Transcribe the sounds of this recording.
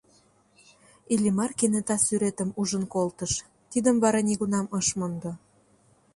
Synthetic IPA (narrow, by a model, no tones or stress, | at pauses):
ilʲimɑrkenet̪ɑsyɾet̪ə̆muʒənkolt̪əʃ | t̪id̪əmβɑɾɑniɣunɑmɤʃmond̪ŏ